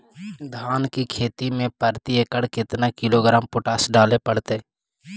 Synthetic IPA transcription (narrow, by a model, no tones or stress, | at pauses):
d̪ʱaːnkikʰeːt̪imẽpəɾt̪ieːkəɽkɪt̪nakɪloɡɾaːmpʊʈaːsɖaːlepəɽ̤t̪eː